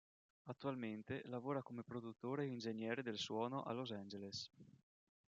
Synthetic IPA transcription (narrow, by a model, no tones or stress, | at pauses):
at̪ːualment̪elavoːɾakomepɾod̪ut̪ːoːɾeind͡ʒeɲjɛːɾed̪elswɔːnoʔa̰lozand͡ʒeles